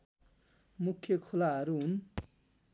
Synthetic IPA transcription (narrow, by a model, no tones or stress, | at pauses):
mukʰːjekʰolaɦʌɾuɦun